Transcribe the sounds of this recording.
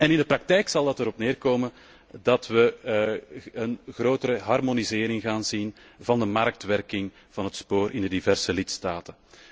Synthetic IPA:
ɛnɪndəprɑk̚tɛjksɑlˠətəɾɔpnɪːrkoːmən | dɑtʋə | ənɣrɾoːtəɾəɦɑrmonizɪːɾɪŋɣaːnzinvɑndəmɑɾk̚tʋɛrkɪŋ | v̥ɑnɦətspoːɾʔɪndədivɛrsəlɪtstaːtə

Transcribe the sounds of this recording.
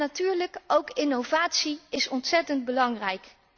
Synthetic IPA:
atyːɹləkowkɪnowvaːtsiɪsɔntsɛtənd̚bəlɑŋrɛjk

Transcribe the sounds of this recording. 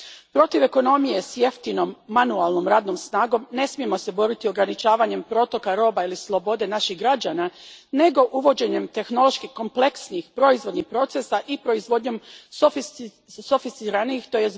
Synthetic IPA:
pɾo̞t̪iʋe̞ko̞no̞mije̞sje̞ft̪ino̞mːanualˠno̞mɾaːd̪no̞msnaːɡo̞mne̞smije̞mo̞se̞bo̞ɾit̪io̞ɡɾanit͡ʃaːʋaɲe̞mpɾo̞t̪o̞kaɾo̞ːbailislˠo̞bo̞d̪e̞naʃiɣɡɾad͡ʑaːnane̞ɡo̞ʔuʋo̞d͡ʑe̞ɲe̞mt̪e̞xno̞lo̞ʃkihko̞mpleksniixpɾo̞izʋo̞d̪nixpɾo̞t̪sesaʔipɾo̞izʋo̞d̪ɲo̞msof | sofist̪iɾanixt̪oje

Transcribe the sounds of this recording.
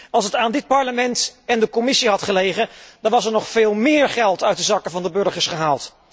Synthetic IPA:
ɑlˠsətaːndɪt̚pɑɹləmɛntɛndəkɔmɪsiɦɑtχəlejχəd̥ɑnʋɑsɛɹnɔχfɪːlˠmɪːɹχɛlˠtœɥt̚dəzɑkəvɑndəbɵɹχəɹsχəɦaːlˠt

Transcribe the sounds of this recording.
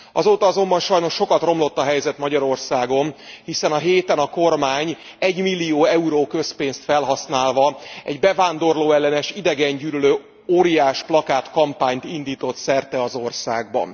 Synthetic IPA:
ɒzoːt̪ɒɒzo̞mbɒnʃɒjno̞ʃːo̞kɒt̪ro̞mlo̞t̪ːɒɦɛjzɛt̪mɒɟɒɾo̞rsaːɡo̞nhisɛnɒɦeːt̪ɛnɒko̞rmaːɲ | ɛɟmilːijoːɛuɾoːkø̞speːnst̪fɛlɦɒsnaːlvɒɛ̰ɟbɛvaːnd̪o̞rloːɛlːɛnɛʃid̪ɛɡɛɲɟyːɾyløː | oːɾijaːʃplɒkaːt̪kɒmpaːɲt̪ind̪iːt̪o̞t̪sɛrt̪ɛɒzo̞rsaːɡbɒ̰n

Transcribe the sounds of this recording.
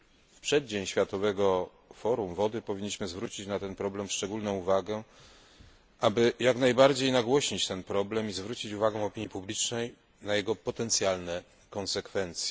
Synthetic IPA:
fpʂɛd̪̚d͡ʑeɲɕfʲjat̪ɔvɛɡɔ | fɔɾumvɔd̪ɘpɔvʲiɲːiɕmɘzvɾut͡ɕit͡ɕnat̪ɛnpɾɔblɛmʂt͡ʂɛɡulnɔ̃w̃uvaɡɛ | ʔabɘjaknajbaɾd͡ʑejnaɡwɔɕɲit͡ɕt̪ɛnpɾɔblɛmizvɾut͡ɕit͡ɕuvaɡɛ̃ɔpʲiɲjipublʲit͡ʂnɛj | najɛɡɔpɔt̪ɛnt̪sʲjalnɛ | kɔ̃nsɛkfɛnt̪sʲjɛ

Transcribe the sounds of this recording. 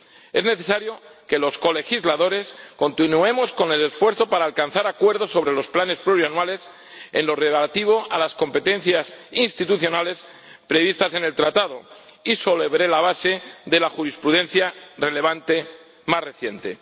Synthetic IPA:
e̞zne̞θe̞saɾjo̞ke̞lo̞sko̞le̞xizlaðo̞ɾe̞sko̞nt̪inue̞mo̞sko̞ne̞le̞sfwe̞ɾθo̞paɾaːlkan̟θaɾakwe̞ɾðoso̞βɾe̞lo̞splane̞spluɾjanwale̞s | e̞̰nlo̞re̞βlat̪iβ̞o̞alasko̞mpe̞t̪e̞nθjasinst̪it̪uθjo̞nale̞s | pɾe̞β̞ist̪ase̞ne̞lt̪ɾat̪aðo̞iso̞leβɾe̞laβase̞ðe̞laxuɾispɾuðẽ̞n̟θjare̞le̞β̞ant̪e̞ | masre̞θje̞nt̪e̞

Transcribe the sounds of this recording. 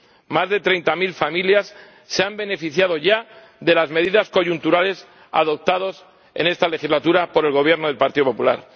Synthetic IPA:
mazðe̞t̪ɾe̞jnt̪amilfamiljasː | eambe̞ne̞fiθjað̞o̞ʝa | ðe̞lazme̞ðiðasko̞ʝunt̪uɾale̞s | a̰ðo̞p̚t̪aðo̞s | ḛne̞st̪ale̞xizlat̪uɾapo̞ɾe̞lɣo̞β̞je̞ɾnoðelpaɾt̪iðopo̞pula̰ɾ

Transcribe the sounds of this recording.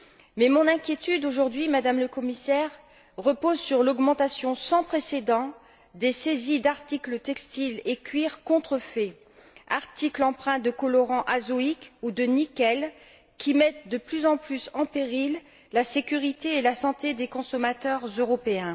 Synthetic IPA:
mɛmɔ̃nɛ̃kʲjet̪yd̪oʒuʁd̪ɥimad̪amləkɔmisɛʁ | ʁəpozsyʁlɔɡmɑ̃t̪asjɔ̃sɑ̃pχesed̪ɑ̃ | d̪esezid̪aʁt̪iklət̪ɛkst̪ilekʲɥiʁkɔ̃t̪χəfɛ | aʁt̪iklɑ̃pχɛ̃d̪əkɔlɔʁɑ̃ʔazoikud̪ənikɛl | kʲimɛt̪̚d̪əplyzɑ̃plysɑ̃peʁilː | asekʲyʁit̪eːlasɑ̃t̪ed̪ekɔ̃sɔmat̪œʁzøʁɔpeɛ̃

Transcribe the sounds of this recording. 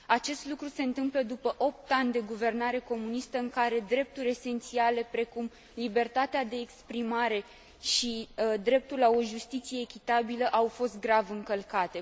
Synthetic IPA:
at͡ʃe̞st̪lukɾuse̞ɨnt̪ɨmpləd̪upəʔo̞p̚t̪anʲd̪e̞ɡuve̞rnaɾe̞ko̞munist̪əɨŋkaɾe̞d̪ɾe̞p̚t̪uɾʲe̞se̞nt̪siale̞pɾe̞kum | libe̞rt̪at̪ead̪e̞ːkspɾimaɾe̞ | ʃid̪ɾe̞p̚t̪ulao̞ʒust̪it̪sije̞ːkʲit̪abiləʔawfo̞st̪̚ɡɾavɨŋkəlkat̪e̞

